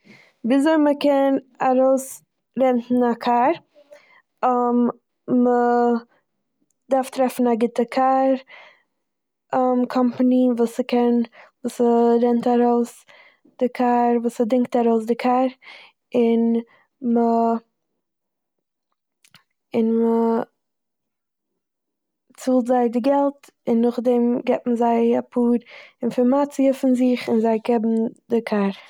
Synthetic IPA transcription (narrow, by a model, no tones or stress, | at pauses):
bɪzoɪməkɛnaɾoʊs | ɾɛntn̩akʰaɾ | əm | mə | daɾftɾɛfn̩aɡɪtəkʰaɾ | əmkʰɔmpaninvuːsəkʰɛnvuːsəɾɛntaɾoʊs | d̥ɪkʰaɾvuːsədɪŋk̚taɾoʊs̬dɪkʰaɾ | ɪn | mə | ɪnmə | t͡suːlˠtzaɪdɪɡɛlˠt | ɪnːʊχdɛmɡɛpməzaɪapʰuːɾɪnfɔɾmat͡siəfɪnzɪχɪnzaɪkɛbm̩dɪkʰaɾ